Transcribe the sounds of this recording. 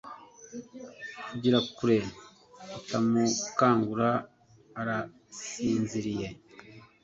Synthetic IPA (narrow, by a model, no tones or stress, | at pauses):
uɟiɾakuɾe̞ | itamukaːŋɡuɾaː | ɾa | siːnziɾije̞